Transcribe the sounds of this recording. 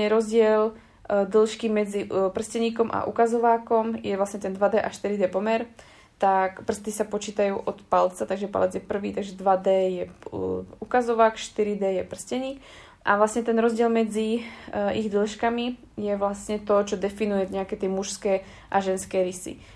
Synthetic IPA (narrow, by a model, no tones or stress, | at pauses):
ɲɛɾɔzɟɪɛl | d̪l̩ʃkimɛd͡zipr̩scɛɲiːkɔmʔa̰ʔṵkazɔʋaːkɔmjɛʋlasɲɛt̪ɛnd̪ʋad̪ɛʔaʃt̪iɾid̪ɛpɔmɛɾ | t̪akpr̩st̪isapɔt͡ʃiːt̪ajuːʔɔt̪palt͡sat̪aɡʒɛpa̰lɛd͡zjɛpr̩ʋiːt̪aɡʒɛd̪ʋad̪ɛːjɛ | ukazɔʋaːkʃt̪iɾid̪ɛːjɛpr̩scɛɲiːk | ʔa̰ʋlasɲɛt̪ɛnɾɔzɟɪɛlmɛd͡zi | iɣd̪l̩ʃkami | jɛʋlasɲɛt̪ɔt͡ʃɔd̪ɛfinujɛɲɛakɛt̪ɛmuʃskɛː | ʔaʒɛnskɛːɾisḭ